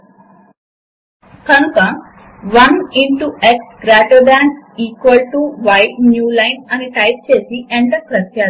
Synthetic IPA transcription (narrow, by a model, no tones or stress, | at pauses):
kɐnukɐ | ʋɐniɳʈuʔek̚sɡɾaːʈoɖaːɳʈiːkʋɐlʈuʋɐjʈnjuːlajnɐniʈɐjp̚t͡ʃeːsiʔẽɳɖɐkɾɐt̪ːaː